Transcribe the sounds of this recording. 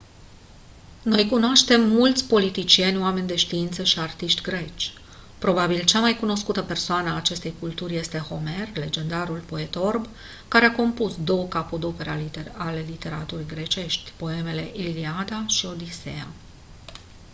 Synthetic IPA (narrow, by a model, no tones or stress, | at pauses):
no̞jkunoaʃt̪e̞mːult̪sʲpo̞lit̪it͡ʃie̞nʲoame̞nʲd̪e̞ʃt̪iint̪səʃiart̪iʃt̪ʲɡɾe̞t͡ʃʲ | pɾo̞babilt͡ʃamajkuno̞skut̪əpe̞rsoanəaːt͡ʃe̞st̪e̞jkult̪urʲje̞st̪e̞ho̞me̞rle̞d͡ʒe̞nd̪aɾulpo̞e̞t̪o̞rb | kaɾeako̞mpusd̪o̞wəkapod̪o̞pe̞ɾeaale̞lit̪e̞ɾat̪uɾijɡɾe̞t͡ʃe̞ʃt̪ʲpo̞e̞me̞le̞ʔiliad̪aʃio̞d̪isḛa̰